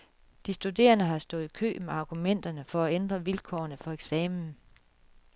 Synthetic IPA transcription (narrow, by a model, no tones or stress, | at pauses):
d̥isd̥ud̥e̝̰ːɐnəɦɑ̈sd̥ɔ̽ːð̩ˠikʰø̰ːmeɑ̈ːɡ̥umen̰d̥ɐnəfɒ̽æend̥ʁɐʋilkʰɒ̰ːɐnəfɒ̽eɡ̥sɛːmn̩